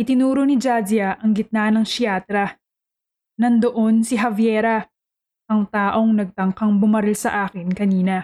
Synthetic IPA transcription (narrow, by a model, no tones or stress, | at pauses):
ʔɪt̪ɪnuːɾonɪd͡ʒaːd͡ʒɐʔɐŋɡɪt̪̚nanɐŋʃjaːt̪ɾɐ | nɐŋd̪oʔo̞nsɪɦɐvjɛːɾɐ | ʔɐŋt̪aːʔo̞ŋnɐɡ̚t̪ɐŋkɐŋbʊmɐɾɪlsɐ̰ʔaːkɪnkɐniːnɐ